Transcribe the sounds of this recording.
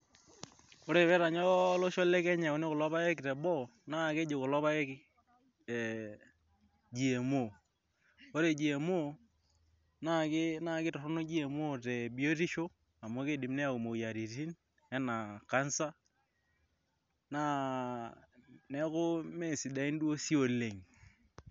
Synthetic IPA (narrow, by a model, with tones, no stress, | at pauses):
o˦ɾe˦˨βɛ˦ɾa˨ɲɔ˦lo˦ʃo˦le˦kɛ˦ɲa˨o˦ne˦ko˨lɔ˦βa˦e˦ki˨tɛ˨bɔ˦˨na˦˨ke˦d͡ʒe˨ko˨lɔ˦βa˦e˦ki˦ | d͡ʒi˨e˨mo˦˨ | o˦ɾe˨d͡ʒi˨e˨mo˦ | na˦˨kɪ˦na˦˨kɪ˦tɔ˨ɾɔ˦no˦d͡ʒi˦e˨mo˦tɛ˨bi˨o˦ti˦ʃo˦ | a˨mo˦ke˦˨dɪ˨mnɛ˦a˨o˨mo˨ja˨ɾi˨ti˦n | ɛ˦na˨ka˦nsa˦ | na˦ | nɛ˦kʊ˦me˦˨sɪ˨da˨i˦n˦dwo˦si˦o˨le˨ŋ